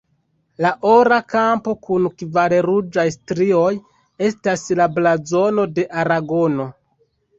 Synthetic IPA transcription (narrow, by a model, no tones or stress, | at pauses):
laʔo̞ɾakampo̞kunkvaɾeɾud͡ʒajstɾio̞j | e̞staslablazo̞no̞de̞ʔaɾaɡo̞no̞